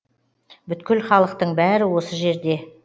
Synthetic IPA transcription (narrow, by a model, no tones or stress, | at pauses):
bʏt̪kʲɪlχɑlˠəq̚t̪əɴbæɾɪwo̞səʒe̞ɾd̪e̞